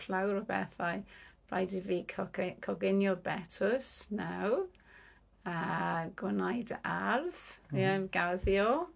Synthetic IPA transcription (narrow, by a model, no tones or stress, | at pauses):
flawɾɔbɛ̰θajb̥ra̰jdivikʰkʰɔɡɪnjɔbɛtʰʊsnaw | aɡwanajdarðɡ̥aðjɔ